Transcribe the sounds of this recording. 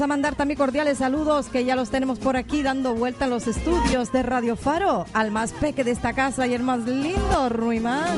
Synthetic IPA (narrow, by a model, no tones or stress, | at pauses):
samãnd̪aɾt̪amiŋko̞ɾðjalesːaluðo̞skeʝalo̞st̪e̞ne̞mospo̞ɾakiðand̪o̞βwe̞lt̪aenlose̞st̪uðjo̞zðe̞raðjo̞faɾo̞almaspe̞keðest̪akasajelmazlind̪o̞ruima